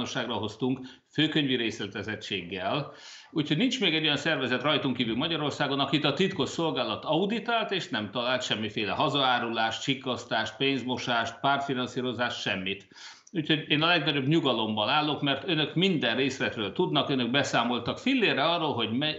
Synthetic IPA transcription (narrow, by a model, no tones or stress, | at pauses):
noʃːaːɡrɒɦo̞st̪uŋk | føːkøɲviɾeːslɛt̪ɛzɛt͡ʃeːɡːɛl | uːcho̞ɟnint͡ʃmeːɡɛɟojɒnsɛrvɛzɛt̪rɒjt̪uŋkiːvylmɒɟɒɾo̞rsaːɡo̞nɒkit̪ɒt̪it̪ko̞ʃso̞lɡaːlɒt̪ɒud̪it̪aːlt̪eːʃnɛmt̪ɒlaːlt̪ʃɛmːifeːlɛɦɒzɒaːɾulaːʃt͡ʃikːɒst̪aːʃt̪̚peːnzmo̞ʃaːʃt̪̚paːrt̪finɒnsiːɾo̞zaːʃt̪ʃɛmːit̪ | uːcho̞ɟeːnɒlɛɡnɒɟo̞bɲuɡɒlo̞mːɒlaːlːo̞kmɛrt̪ønø̞kmind̪ɛrreːslɛt̪røːlt̪ud̪nɒkønø̞ɡ̚bɛsaːmolt̪ɒkfilːeːrːɛɒrːoːlɦo̞ɟmɛ